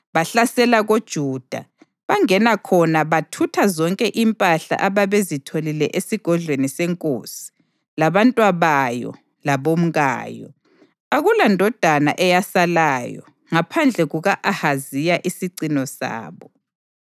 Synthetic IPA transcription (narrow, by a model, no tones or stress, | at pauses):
βaɬasɛlaɣod̥ʒ̥ʱuːd̥ʱa̰ | βaŋɛnakʰɔnaβatʰutʰazɔŋkʼɛʔimpʼaɬa̰ʔaβaβezitʰolilɛʔesiɡ̥ʱɔɮweniseŋkʼo̰ːsi̥ | laβantʼwaβajɔ̰ | laβom̩ɣa̰ːjɔ̰ | aɣulandʱɔd̥ʱana̰ʔɛjasalaːjɔ̰ | ŋapʰand͡ɮʱɛɣuɣaʔahazijaʔisiǀinɔsa̰ːβɔ